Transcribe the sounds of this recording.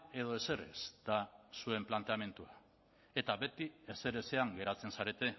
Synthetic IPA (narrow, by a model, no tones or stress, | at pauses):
e̞ðo̞e̞se̞re̞̰sd̪̥asue̞mplant̪e̞ame̞nt̪ua | e̞t̪aβe̞t̪ie̞se̞ɾe̞se̞aŋɡe̞ɾat͡se̞nsaɾe̞t̪e̞